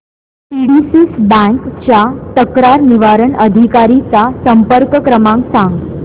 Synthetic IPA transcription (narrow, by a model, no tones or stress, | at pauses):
piɽisisbə̃ŋkt͡ɕjat̪əkɾaɾniʋaɾəɳəd̪ʱikaɾit͡sasəmpəɾkəkɾəmãŋksãŋɡ